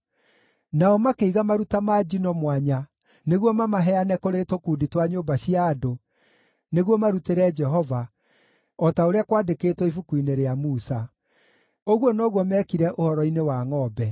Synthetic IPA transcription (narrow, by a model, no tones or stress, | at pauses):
naɔmakeiɣamaɾutamaːd͡ʒinɔmwaɲa | neɣwɔmamaɦɛanɛkoɾetokuːditwaɲobaɕiaːdo | neɣwɔmaɾuteɾɛd͡ʒɛɦɔva | ɔtaoɾeakwaːdekeːtwɔifukuineɾeamusa | oɣwɔnɔɣwɔmɛːkiɾɛʔohɔɾɔinewaŋɔːbɛ